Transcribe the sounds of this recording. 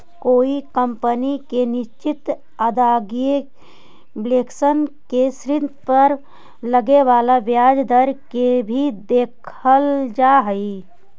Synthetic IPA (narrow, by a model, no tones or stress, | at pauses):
koːikəmpənikenɪʃt͡ʃɪt̪ | əd̪aːɡe | bleːksənkesɾɪnpəɾ | ləɡeʋaːlaʋjaːd͡ʒd̪əɾkebʱid̪eːkʰəld͡ʒaːɦəi